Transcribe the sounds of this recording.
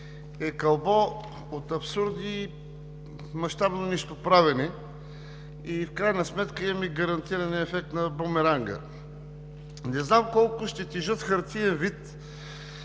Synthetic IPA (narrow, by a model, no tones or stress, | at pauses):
ɛkɐlˠbɔ | ot̪ɐpsuɾd̪i | mɐʃt̪abnonisk̪opɾavɛni | ifkɾajnəsmɛt̪kəimɐmiɡɐɾɐnt̪iɾɐnɛɛfɛk̚t̪nɐbomɛɾaŋɡə̰ | nɛznamkɔlˠkʊʃt̪ɛt̪iʒɤt̪xɐɾt̪iɛnvit̪